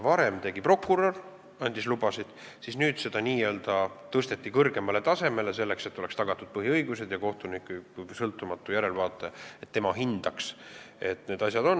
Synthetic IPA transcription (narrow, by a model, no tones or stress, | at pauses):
vɑɾe̞mt̪e̞ɡ̥ipro̞kːuɾo̞r | ɑnʲd̪islubɑsid̪̥ | sisnyːd̪̥se̞d̪̥ɑniːø̞ːld̪ɑt̪ɤst̪e̞t̪ːikɤrɡe̞mɑle̞t̪ɑse̞me̞le̞se̞lːe̞kse̞t̪ːˑo̞lekst̪ɑɡ̥ɑt̪ːˑud̪̥̚pɤɦiɤjɡuse̞d̪̥jɑko̞ht̪unikːˑysɤlt̪ːˑumɑt̪ːˑujæɾe̞lvɑːt̪ːˑeet̪ːe̞mɑɦind̪̥ɑkse̞t̪ːne̞d̪ɑsʲjɑd̪o̞nː